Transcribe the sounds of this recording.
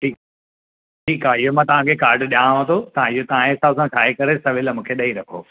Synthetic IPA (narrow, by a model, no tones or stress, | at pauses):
ʈʰiːk̚ | ʈʰiːkaːɦɪɦomãːt̪ɐʋ̤ãkʰekaːɾɖɗiãːʋãt̪ʰot̪ɐ̤ãɪɦot̪ɐʋ̤ãẽsaːbsãkʰaːekɐɾesɐʋɪlmũːkʰeɗɐiɾɐkʰo̰ː